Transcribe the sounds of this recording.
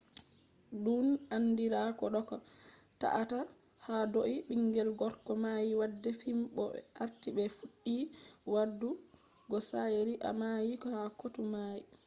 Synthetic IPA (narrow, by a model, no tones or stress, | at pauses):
dunanːdiɾakɔɗɔkɔ | ta̰ʔata | hadoʔiɓiŋɡɛlɡɔɾkɔmajiwadːɛfimɓɔ̰ʔaɾtiɓɛfuɗːiwadːu | ɡɔsajeɾiʔa̰majikɔhakotumaji